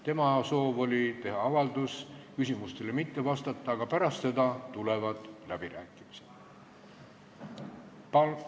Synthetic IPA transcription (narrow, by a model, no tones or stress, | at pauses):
t̪e̞mɑso̞ːvo̞lʲit̪e̞ɦɑɑvɑld̪uskysʲimust̪e̞lemit̪ːe̞vɑst̪ɑt̪ːɑːɡ̥ɑpæɾɑst̪se̞d̪ɑt̪ulevɑd̪̥læb̥iɾæːkːˑimised̪̥ | p